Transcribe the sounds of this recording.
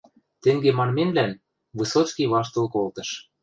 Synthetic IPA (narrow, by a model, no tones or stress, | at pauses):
t̪ĕŋɡemɑnmenlæn | βɨsot͡skiβɑʃ̬t̪ɤ̆lkolt̪ɤ̆ʃ